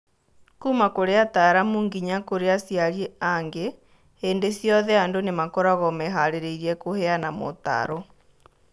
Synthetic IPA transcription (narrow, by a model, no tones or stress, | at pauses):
kuːmakoɾeataɾamuːŋɡiɲakoɾeasjaɾjeaŋɡe | eːndesjɔðɛandonemakoɾaɣɔmɛɦaɾeɾeiɾiɛkohɛanamo̰ta̰ɾɔ